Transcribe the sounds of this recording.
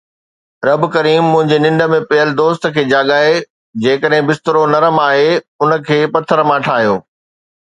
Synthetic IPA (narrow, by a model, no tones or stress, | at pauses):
ɾɐbkɐɾiːmːʊ̃ɦɪ̃ɲd͡ʑenɪ̃ɳɖə̆mẽpɐɦəlɪd̪oːst̪ə̆kʰeːd͡ʑaːɠaːɦe | d͡ʑeːkəɗɦɪ̃bɪst̪ɪɾonɐɾəmaːɦe | ʊnə̆kʰeːpɐt̪ʰːəɾəmãʈʰaːɦijoː